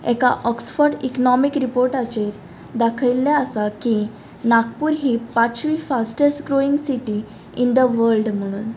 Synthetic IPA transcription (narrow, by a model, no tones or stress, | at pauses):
ɛ̰ka̰ʔɔksfɔɾɖiknɔmikɾipoɾʈat͡ɕeɾ | d̪akʰəjlːaəsaki | nak̚puːɾɦiːpat͡sʋifasʈəɾskɾoiŋɡsiʈi | ind̪əʋəɾɖm̤əɽ̃uːn